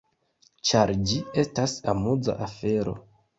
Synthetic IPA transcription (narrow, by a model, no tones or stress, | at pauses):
t͡ʃaɾd͡ʒie̞stasamud͡za̰ʔafe̞ɾo̞̰